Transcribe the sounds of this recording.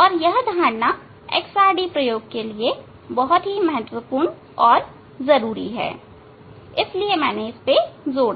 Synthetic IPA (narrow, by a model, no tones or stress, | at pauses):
ɔːɾjɐɦd̪ʱãːɽna | ḛːksaːɾɖipɾɐjoːɡ̚kelie | bɔɦʊt̪ɦimɐɦət̪wəpuːɾɳ | ɔːɾ | zɐɾuːɾḭɦɛ̰ː | ɪsliemɛ̃ːneɪspezoː